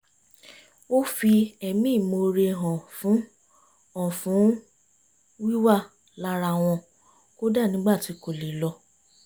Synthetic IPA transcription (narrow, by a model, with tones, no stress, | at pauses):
o˦fi˧ɛ˨mĩ˦˨mo˧ɾe˧ɦɔ̃˨fũ˨˦ | ɔ̃˦˨fũ˨˦ | wi˦wa˦˨ | la˧˦ɾa˧˨w̃ɔ̃˧ | ko˦da˦˨nĩ˨˦ɡ͡ba˦˨ti˨˦ko˨le˨˦lɔ˧˦